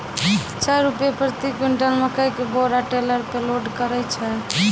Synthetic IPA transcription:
t͡ʃaɾːupjepɾət̪ikiɳʈəlmekəjkeboɾaʈeləɾpeloɖkəɾɛjt͡ʃʰɛ

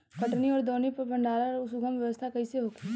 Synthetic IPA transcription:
kɐʈniɔːɾd̪oːnipɐɾbʱɐ̃ɳɖaːɾaɾʊsuɡəmʋjɐʋəst̪ʰakɐiseɦoːɡi

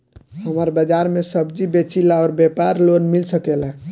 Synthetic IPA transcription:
həməɾbəd͡ʒaɾmesəbd͡ʒibet͡ʃilaɔɾbepaɾlonmilsəkela

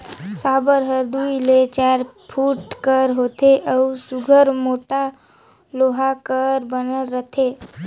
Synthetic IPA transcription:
sabəɾɦəɾd̪uilet͡ʃaɾpʰuʈkəɾɦoːt̪ʰeʔəusuɡʱəɾmoːʈa | loɦakəɾbənəlːət̪ʰe

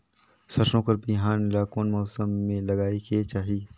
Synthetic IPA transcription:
sɐɾʃõkɐɾbiɦaːnɪlaːkõːnmɔːsəmːẽlɐɡaːiket͡ʃaːɦi

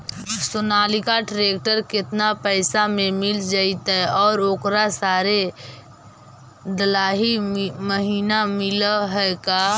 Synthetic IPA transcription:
sʊnaːlikaʈɾeːkʈəɾkɪt̪napəɪsamẽmɪld͡ʒaːit̪ɛɔːɾoːkɾasaːɾe | d̪əlaːɦiməɦiːnamɪlaɦɛkaː

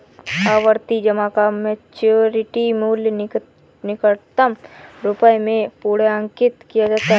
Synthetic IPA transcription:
aːʋəɾt̪id͡ʒɐmakamet͡ʃoɾɪʈimuːlj | nɪkəɭt̪əmɾʊpəjmẽpuːɽeãŋkɪt̪kijad͡ʒaːt̪aɦ

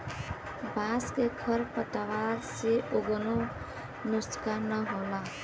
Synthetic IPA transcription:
bãskekʰəɾpət̪əʋaɾseʔoɡəno | nʊskanəɦola

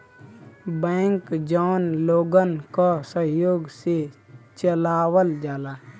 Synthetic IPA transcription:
bɛ̃ːŋkd͡ʒaːnloːɡənkasəɦjoːɡset͡ʃəlaːwəld͡ʒaːlaː

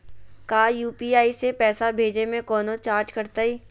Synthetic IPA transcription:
kaːjuːpiaːisepɛːsabʱeːd͡ʒemẽkɔːnot͡ʃaːɾd͡ʒkɐɾt̪aiː

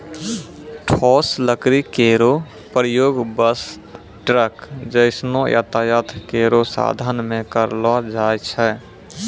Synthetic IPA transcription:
ʈʰɔːsləkɾikeːɾo | pɾəjoːɡbəs | ʈɾəkd͡ʒəɪsnojə̰t̪ajət̪ʰkeːɾosa̰ːd̪ʱənmẽkəɾlɔd͡ʒaːjt͡ʃʰɛ

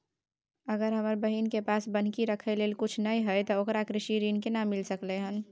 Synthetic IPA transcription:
əɡəɾɦəməɾbəɦinkepaːsbən̤kiɾəkʰəleːlkʊt͡ʃʰnəiɦəjt̪ɔokɾakɾɪʃiɾiːnkenamːɪlsəkleɦən

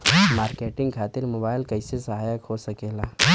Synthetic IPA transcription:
maːɾkeːʈɪ̃ŋɡkʰaːt̪ɪɾmoːbaːɪlkɐɪsesɐɦaːjəkɦosɐkeːlaː

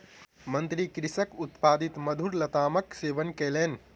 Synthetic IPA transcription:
mənt̪ɾikɾisəkut̪pad̪it̪məd̪ʱuɾlɐt̪aːməkseʋənkelen

